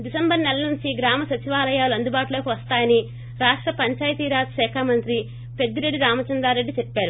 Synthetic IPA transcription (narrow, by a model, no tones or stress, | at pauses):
ɖisɐmbɐɾnɛlɐnuɲt͡ʃiɡɾaːmɐsɐt͡ʃiʋaːlɐjaːluɐnd̪ubaːʈuloːkiʋɐst̪aːjɐni | ɾaːʂʈɾɐpɐɲt͡ʃaːjt̪iːɾaːt̪ʃɛːkʰaːmɐnt̪ɾi | pe̞d̪ːiɾe̞ɖːiɾaːmɐt͡ʃɐnd̪ɾaːɾe̞ɖːit͡ʃepːaːɾu